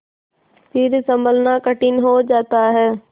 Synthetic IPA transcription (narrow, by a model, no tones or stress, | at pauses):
siːɾsɐ̃mbəlnakɐʈinɪɦod͡ʑaːt̪aɦɛː